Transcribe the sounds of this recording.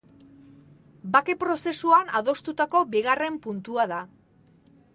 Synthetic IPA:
bake̞pɾo̞se̞suanaðo̞st̪ut̪ako̞biɣare̞mpunt̪uaða

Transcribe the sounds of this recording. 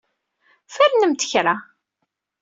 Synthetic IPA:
fæɾnəmt̪ə̥çɾa

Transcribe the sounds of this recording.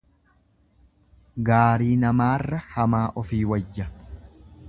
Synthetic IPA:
ɡaːɾiːnɐmaːrːɐhɐmaːʔɔfiːwɐd͡ʒːɐ

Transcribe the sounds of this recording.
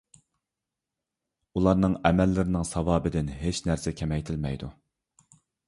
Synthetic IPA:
ulˠɑɾnɨŋɛmɛlːɪɾɪnɪŋsɑvɑːbɪd̪ɪnɦet͡ʃnæɾsɛkʲʰɛmɛjt̪ʰɪlmɛjd̪u

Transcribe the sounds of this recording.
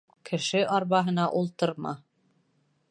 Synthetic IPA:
kʰɘ̆ʃɘʔɑɾβɑɦɤ̆nɑʔulˠt̪ɤɾmɑ̰

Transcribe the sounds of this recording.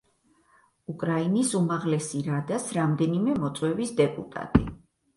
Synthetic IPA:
ukʼɾainisumaʁlɛsiɾad̪asɾamd̪ɛnimɛmɔt̪sʼwɛbisd̪ɛpʼṵt̪ʼa̰t̪ʼḭ

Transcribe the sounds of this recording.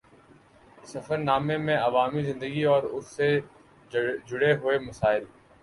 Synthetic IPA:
sɐfəɾnaːmẽmẽɐʋaːmizɪ̃nd̪əɡiɔːɾʊsːe | d͡ʒʊɽeɦʊemɐsaːɪl

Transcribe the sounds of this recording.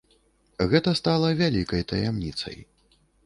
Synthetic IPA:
ɣɛt̪ɐst̪alˠɐvʲalʲikɐjt̪ɐjamnʲit̪sɐ̰j

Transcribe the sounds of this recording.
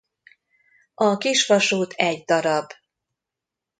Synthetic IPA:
ɒkiʃʋɒʃuːt̪ʰɛɟd̪ɒɾɒb

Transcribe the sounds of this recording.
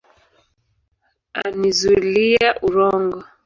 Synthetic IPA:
a̰nizulijaʔuɾɔŋɡɔ

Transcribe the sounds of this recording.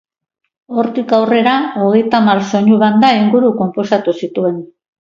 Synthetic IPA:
o̞ɾt̪ikawre̞ɾao̞ɣe̞jt̪amaɾso̞ɲuβand̪aiŋɡuɾuko̞mpo̞sat̪usit̪ue̞n

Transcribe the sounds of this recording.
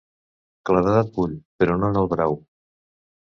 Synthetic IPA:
klaβaðat̪̚buʎpəɾɔnonəlˠβɾaw

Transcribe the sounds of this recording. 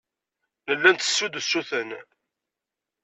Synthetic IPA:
nəlːænt̪ə̥sːud̪əsːuθən

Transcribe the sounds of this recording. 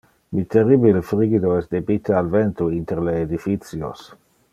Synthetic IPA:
mit̪eribilefɾiɡid̪oɛsd̪ebit̪ealvent̪uint̪eɾleːd̪ifit̪sjo̰s

